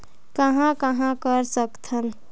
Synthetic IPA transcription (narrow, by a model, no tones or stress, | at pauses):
kəɦãkəɦãkəɾsəkt̪ʰən